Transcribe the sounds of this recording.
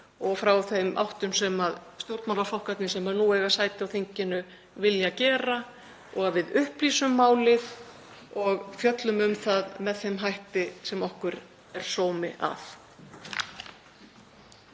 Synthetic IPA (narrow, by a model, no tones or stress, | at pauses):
ɔɣfɾawθejmʔa̰wht̪ʏmsɛmaðst̪jowɾt̪mawlaflowhkat̪nɪsɛmaðnuːɛːɣasaːjt̪ɪawθiɲcɪnʏ | vɪljacɛːɾa | ɔɣavɪðʏhpliːsʏmːaːwlɪð | ɔɣfjœt̪lʏmʏmθaðmɛðθejmɦajht̪ɪsɛmɔhkʏɾ | ɛɾ̥soːwmɪʔa̰f